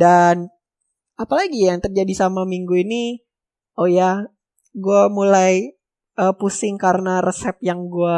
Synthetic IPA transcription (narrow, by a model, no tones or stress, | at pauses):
dan | apalaɡijaŋt̪ərd͡ʒadisamamiŋɡuini | oja | ɡuamulaj | əːpusɪŋkaɾənarəsɛp̚jaŋɡua